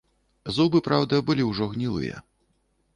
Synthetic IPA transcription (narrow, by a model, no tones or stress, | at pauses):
zubɨpɾawd̪ɐbɨlʲiwʐɔɣnʲilˠɨ̰jɐ̰